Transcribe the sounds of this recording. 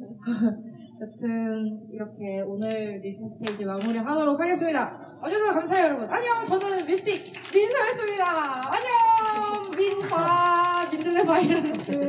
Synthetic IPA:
tatʰɯniɾʌkʰe̞onɯɭɾisʰɯŋsɯ̥tʰeid͡ʑimaŋmuɾiɦadoɾok̚ʰaɡe̞s͈ɯmɲida | ʌd͡ʑesʰʌkamsʰaejʌɾʌbunaɲʌmt͡ɕʌnɯnmjus͈ik̚ | minsʰaes͈ɯmɲidaːɲʌmːinbaminːɯebaiɾʌnɯtɯ

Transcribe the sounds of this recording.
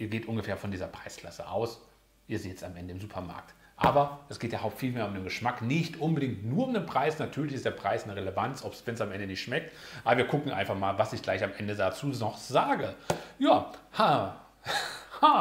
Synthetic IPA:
ʔiːɐɡeːtʔʊnɡəfeːɐfɔndiːzɐpʁ̥aɪskl̥asə̰ʔa̰ʊs | ʔiːɐzːtɛt͡samʔɛndəɪmzuːpʰɐma̰ɐk̚t | ʔaːbɐd̥ɛsɡ̥eːtjahaʊptfiːlmeːɐʊmdeːnŋɡəʃmaknɪçtʔʊnbədɪŋtnuːɐʊmdeːnpʁ̥aɪsnatʰyːɐlɪçɪstd̥eːɐpʁ̥aɪsnəʁelevant͡sʔɔpsv̥ɛnsamʔɛndənɪçtʃmɛk̚tʔaːbɐviːɐkʰʊkŋ̩ʔa̰ɪnfaχmaːlvasɪçɡ̥laɪçamʔɛndədat͡suːɔχz̥aːɡəjaːha | ha

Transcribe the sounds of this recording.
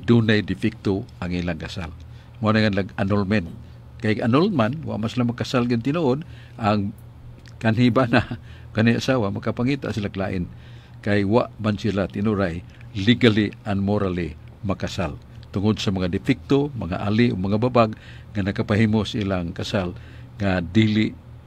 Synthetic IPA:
d̪unajdɪfɪk̚t̪oaŋilaŋkasa̰l | muanaŋanlaɡanolmɛnt̪̚ | kajanolmanwa̰ʔmansilamakasalɡɪnt̪ɪnuʔʊd̪ | ʔaŋ | kanɦibana | kanajasawamakapaŋit̪a̰ʔsilaklaʔɪn | kajwaʔmansilat̪ɪnuɾaj | liɡalianmoɾali | makasal | t̪ʊŋod̪samaŋad̪ɪfik̚t̪omaŋa̰ʔaliʔomaŋababaɡ | ŋanakapaɦimosaḭlaŋkasal | ŋad̪iliʔ

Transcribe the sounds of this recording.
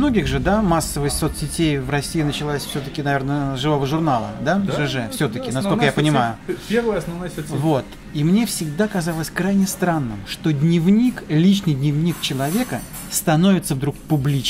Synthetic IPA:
no̞ɡʲɪɣʐɨd̪amasːəvɨjso̞t̪sʲɪtʲejvrɐsʲːijɪnət͡ɕɪlˠasʲfsʲot̪əkʲɪnɐvʲe̞rnəzʐɨvo̞vəʐʊrnalˠə̰d̪aʐɨʐɛfsʲo̞t̪əkʲɪnɐskollkəjapənʲɪmajʊpʲervəjɐsnɐvnojsot̪sʲvot̪ | imnʲe̞fsʲɪɡd̪akɐzalˠəsʲkɾajnʲɪst̪ɾanːɨ̰mʂt̪o̞dʲnʲɪvnʲiklʲit͡ɕnɨjdʲnʲɪvnʲikt͡ɕɪlˠɐvʲe̞kə | st̪ɐno̞vʲɪt̪səvd̪ɾuk̚pʊblʲit͡ɕ

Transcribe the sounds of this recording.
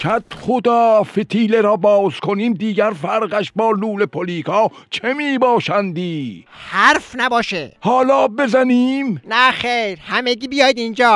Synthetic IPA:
kʰæt̪χod̪ɒːfet̪ʰiːleɾɒːbɒːz̥kʰoniːmd̪iːɡæɾfæɾɢæʃbɒːluːlepʰoliːkʰɑːt͡ʃʰemiːbɒːʃænd̪iː | hæɾfnæbɒːʃehɒːlɒːbe̞zæniːmnæχejɾhæmeɡiːbijɒjd̪ind͡ʒɒː

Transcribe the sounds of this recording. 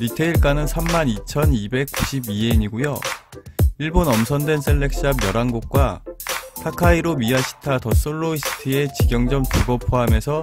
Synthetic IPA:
nitʰeiɭk͈anɯnsʰamːanit͡ɕʰʌnibe̞k̚k͈uɕʰibie̞ɲiɡojo | iɭbonʌmsʰʌndwe̞ns͈eɭːe̞k̚s͈iamjʌɾaŋɡok̚k͈watʰakʰaiɾomiaɕʰi̥tʰatʌs͈oɭːois͈ʰɯ̥tʰɯe̞t͡ɕiɡjʌŋd͡ʑʌmtuɡʌpʰoɦame̞sʰʌ

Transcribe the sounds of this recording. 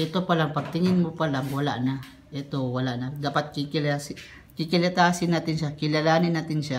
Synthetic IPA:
ʔɛt̪opalaŋpɐɡ̚t̪ɪŋɪnmopalaŋwɐla̰ʔna | ʔɛt̪owalaʔnad̪aːpat̪̚kikɪlas | kɪkɪlɐt̪aːsɪnːaːt̪ɪnʃakɪlalaːnɪnːaːt̪ɪnʃa

